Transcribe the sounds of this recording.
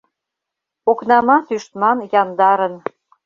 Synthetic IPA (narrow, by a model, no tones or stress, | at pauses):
oknɑmɑt̪yʃt̪mɑnjɑnd̪ɑɾə̆n